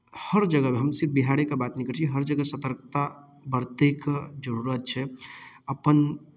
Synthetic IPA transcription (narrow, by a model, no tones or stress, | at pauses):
həɾd͡ʒəɡəmeɦəmsɪɾpbiɦaɽekebat̪nikəɾt͡ʃʰiɦəɾd͡ʒəɡəsət̪əɾkt̪a | bəɾt̪ekd͡ʒəɾuɾət̪̚t͡ʃʰɛəpən